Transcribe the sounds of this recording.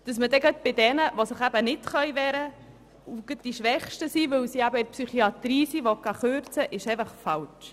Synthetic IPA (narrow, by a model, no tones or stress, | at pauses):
d̥ɑsməd̥ɛɡœt̪̚b̥ɪd̪ɛnəʋosəχæb̥ənɪtχœjʋɛːɾə | uɡ̥ət̚d̥iʃʋɛχʃtəsiːʋɵwsiæbəɪɾpsyχiɑt̪ɾiːsiːʋokːɑχøːɾt͡səʔɪʃɛfəχfɑlt͡ʃ